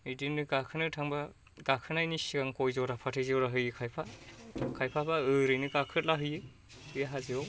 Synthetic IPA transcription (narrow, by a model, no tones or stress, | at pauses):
idinɯɡakʰɯnɯtʰaŋba | ɡ̥akʰɯnajnisiɡaŋkojzɔɾapʰatʰɯjziɔɾaɦɯjɯkʰajpʰakʰajpʰapʰaɯɾɯjnɯɡakʰɯt̚laɦɯjɯ | ɯjaɦaziɔ